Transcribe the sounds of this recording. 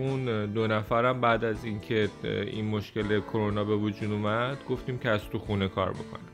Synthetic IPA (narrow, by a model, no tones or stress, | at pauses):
und̪o̞næfæɾæmbæːd̪æziːncʰe̞ḭnmo̞ʃce̞lekʰoɾonɒːbe̞vod͡ʒuːd̪umæd̪̥ɡo̞ft̪iːmcʰeæz̥t̪ʰuxune̞kʰɒ̰ːɾbo̞̰kʰo̞̰nim